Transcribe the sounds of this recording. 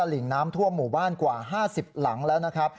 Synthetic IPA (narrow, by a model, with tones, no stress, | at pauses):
a˧li˨˩˦ŋnaː˦˥mt̪ʰu˥˩əmːuː˨˩baː˥˩nkwaː˨˩ɦaː˥˩si˨˩p̚la˩˦ŋlɛː˦˥wna˦˥kʰɾa˦˥p̚